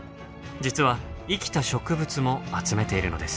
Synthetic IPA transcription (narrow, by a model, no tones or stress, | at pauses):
d͡ʑit͡sɨβaikʲi̥t̪aɕo̞kɯ̟bɯ̟t͡sɨmo̞at͡sɨme̞t̪e̞iɾɯ̟̰no̞̰d̪e̞sɨ̥